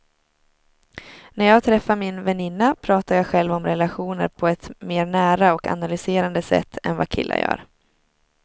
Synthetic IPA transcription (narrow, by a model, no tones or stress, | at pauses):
næɾjɑːɡ̚t̪ʰɾɛfːamɪnvɛnɪnːapʰɾɑːt̪aɾjɑːɧɛlvɔmɾɛlaɧuːnə̰ɾpʰɔɛt̪meːɾɳæːɾaɔka̰nalʏseːɾand̪əsɛ̰t̪ʰːɛ̰nva̰kʰɪ̰lːʔa̰jœ̰ːɾ